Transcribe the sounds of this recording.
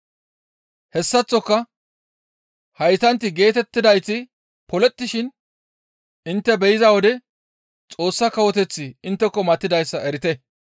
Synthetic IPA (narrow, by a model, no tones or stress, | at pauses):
hɛsːɐt͡sːɔkːɐ | hɐjt̪ɐnt̪ːɪɡe̞ːt̪ɛt̪ːɪd̪ɐjt͡sːɪ | pɔlɛt̪ːɪʃɪn | ɪnt̪ːɛbɛjɪzɐwɔd̪ɛ | t͡sʼo̞ːsːɐkɐwɔt̪ɛt͡sːɪɪnt̪ːɛkːɔmɐt̪ːɪd̪ɐjsːɐɛɾɪt̪ɛ